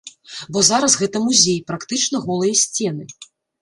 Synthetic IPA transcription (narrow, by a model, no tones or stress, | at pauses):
bɔzaɾɐsɣɛt̪ɐmuzʲejpɾakt̪ɨt͡ʂnɐɣɔlˠɨjɐsʲt͡sʲɛnɨ